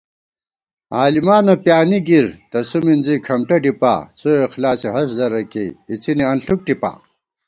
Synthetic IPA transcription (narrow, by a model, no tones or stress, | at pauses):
aːlimaːnɐpjaːniɡiɾt̪ɐsuminzikʰɐmʈɐɖipa̰ːt͡soexlaːseɦɐszɐɾɐkḛit͡siniɐnɬuk̚ʈipa̰ː